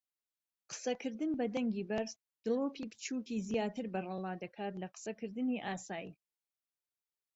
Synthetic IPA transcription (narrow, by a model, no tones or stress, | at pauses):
qə̥sɐkʰɨɾd̪ɨnbɐd̪ɐŋɡʲiːbɐɾs | d̪̥ɨloːpʰiːpʰɨ̥t͡ʃʰuːkiːzijaːt̪ʰɨɾbɐrɑlˠɑːd̪ɐkʰaːt̪lɐqə̥sɐkʰɨɾd̪ɨniːʔaːsaːjḭ